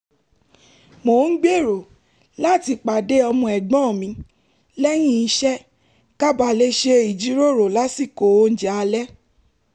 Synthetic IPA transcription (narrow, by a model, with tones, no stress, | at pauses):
mo˨n̩˦ɡ͡be˦˨ɾo˨ | la˦˨ti˧k͡pa˨de˦ɔ˧mũ˧ɛ˨ɡ͡bɔ̃˦˨mĩ˧˦ | lɛ˦j̃ĩ˦i˧ʃɛ˦ | ka˦ba˧˨le˧˦ʃe˧i˨d͡ʒi˨˦ɾo˦˨ɾo˨la˦si˦˨ko˨˦n̩˦d͡ʒa˨a˧lɛ˦